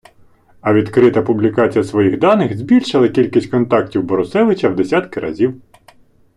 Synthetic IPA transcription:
ɐʋʲid̪kɾɪt̪ɐpʊblʲikɑt͡sʲijɐsʋɔjixd̪ɑnɪxzʲbʲilʲʃɪlˠɐkʲilʲkisʲtʲkɔnt̪ɑk̚tʲiwbɔɾʊsɛʋɪt͡ʃʲɐwd̪esʲat̪kɪɾʔɐ̰zʲiw

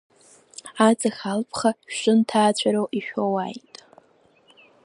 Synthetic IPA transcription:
at͡sʼaxʲalpʰχaʃʼɨntʰaːt͡ɕʷʰaɾowʔiʃᶣowa̰jtʼ

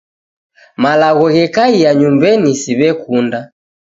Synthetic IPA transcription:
malaɣɔɣɛkaijaɲumbɛnisiβɛkunda

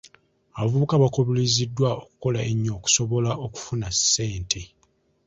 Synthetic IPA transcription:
aβavuβukaβakoβilizidːwaoku̥ko̞laeɲːo̞ːku̥so̞βo̞laoku̥funase̞ːntʰe̞

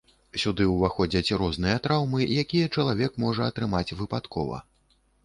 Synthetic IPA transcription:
sʲud̪ɨwvaxɔd͡zʲɐt͡sʲɾɔznɨjɐt̪ɾawmɨjakʲijɐt͡ʂɐlˠavʲɛkmɔʐɐɐt̪ɾɨmat͡sʲvɨpat̪kʰɔ̰vɐ̰

